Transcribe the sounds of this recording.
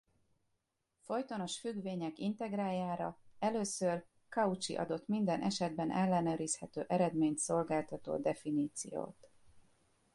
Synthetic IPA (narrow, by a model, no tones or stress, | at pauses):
fo̞jt̪o̞no̞ʃfyɡveːɲɛkint̪ɛɡraːjaːɾɒɛløːsør | kɒut͡ʃḭʔɒ̰d̪o̞t̪mind̪ɛnʔɛʃɛd̪bɛnʔɛlːɛnøːɾishɛt̪ø̰ːʔɛɾɛd̪meːɲt̪so̞lɡaːlt̪ɒt̪o̰ːd̪ɛfiniːt̪sḭjo̰ːt̪